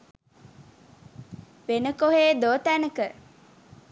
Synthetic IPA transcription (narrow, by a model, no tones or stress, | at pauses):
ʋenəkoɦeːd̪ot̪ænəkə